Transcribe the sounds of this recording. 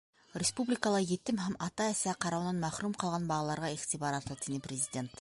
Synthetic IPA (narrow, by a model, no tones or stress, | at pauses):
ɾʲespublʲijkɑlˠɑjet̪ɪmɦæmɑt̪ɑæsæqʰɑɾɑwnɑnmæχɾumqʰɑlˠʁɑnbɑʁɑlˠɑɾʁɑeχt̪ijbɑɾɑt̪əlˠt̪eneprʲezijdʲe̞nt̪